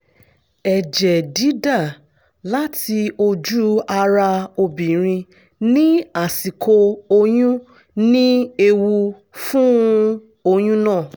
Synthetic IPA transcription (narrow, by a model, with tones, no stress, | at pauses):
ɛ˨d͡ʒɛ˨di˨˦da˦˨ | la˦ti˧o˧d͡ʒu˦a˧ɾa˧o˧bĩ˨ɾ̃ĩ˧ | nĩ˦a˦˨si˨kʰo˧o˧jũ˦ | nĩ˦e˧wu˧ | fũ˦ | o˧j̃ũ˦nãː˦˨